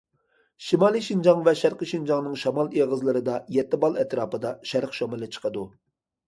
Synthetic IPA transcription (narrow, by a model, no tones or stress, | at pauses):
ʃimɑːlˠiʃind͡ʒɑŋvɛʃæɾqəʃind͡ʒɑŋnɨŋʃɑmɑlˠeʁəzlˠɨɾɨd̪ɑjɛt̪ːɪbɑlˠɛt̪ɾɑːpɨd̪ɑʃæɾqʃɑmɨlˠɨt͡ʃʰə̥qʰəd̪u